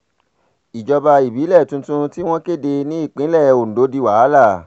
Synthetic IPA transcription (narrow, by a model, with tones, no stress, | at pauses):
i˨d͡ʒɔ˧ba˧i˨bi˨˦lɛ˦˨tũ˧tũ˧ti˦w̃ɔ̃˦ke˦˨de˧nĩ˦i˦˨k͡pĩ˨˦lɛ˦˨o˨n̩˨do˨˦di˧wa˨˦la˦˨